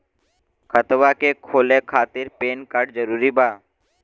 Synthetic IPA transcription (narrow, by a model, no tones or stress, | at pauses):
kʰət̪ʋakekʰoːlekʰaːt̪ɪɾpeːnkəʈ̚zəɾuːɾibaː